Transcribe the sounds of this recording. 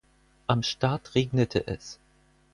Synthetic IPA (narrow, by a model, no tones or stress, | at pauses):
ʔamʃtaɐtʁeːɡnətʰə̰ʔɛ̰s